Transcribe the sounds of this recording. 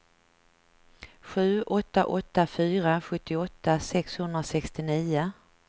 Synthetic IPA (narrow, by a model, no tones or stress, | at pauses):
ɧʉ̟ːʔɔt̪ːaʔɔt̪ːafyːɾaɧɵt̪ːɪɔt̪ːasɛkshɵnd̪ɾasɛkst̪ɪniːʊ